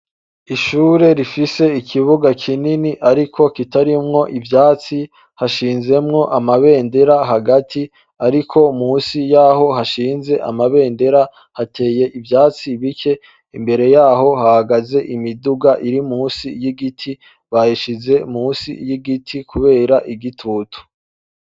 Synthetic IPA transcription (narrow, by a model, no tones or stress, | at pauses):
iʃuːɾe̞ɾifise̞ikʰiβuɡakʰininiʔaɾikʰo̞kitaɾimŋo̞ʔivjaːt͡si | haʃiːnze̞mŋo̞ʔamaβe̞ːnde̞ɾaɦaɡati | aɾikʰo̞muːnsijaːɦo̞haʃiːnze̞ʔa̰maβe̞ːnde̞ɾa | hatʰe̞ːje̞ʔivjaːt͡siβikʰe̞ | imbe̞ɾe̞jaːɦo̞hahaɡaze̞ʔimiduɡaʔiɾimuːnsijiɡitʰi | βaiʃize̞muːnsḭjiɡitʰikʰuβe̞ːɾaʔiɡitʰutʰu̥